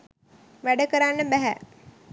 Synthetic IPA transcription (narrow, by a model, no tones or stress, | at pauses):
ʋæɖəkəɾanːəbæɦæ̰